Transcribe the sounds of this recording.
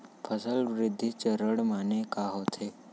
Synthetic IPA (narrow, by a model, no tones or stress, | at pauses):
pʰəsəlʋɾɪd̪ʱːit͡ʃəɾəɽmaːnekaɦot̪ʰeː